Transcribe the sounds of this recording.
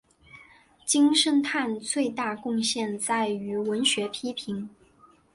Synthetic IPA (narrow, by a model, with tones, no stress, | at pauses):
t͡ɕi˥ŋʂə˥nt̪ʰa˥˧nt͡swe˥˧ɪt̪a˥˧kʊ˥˧ŋɕjɛ˥˧nt͡sa˥˩ɪy˧˥wə˧˥nɕɥɛ˧˥pʰi˥pʰi˧˥ŋ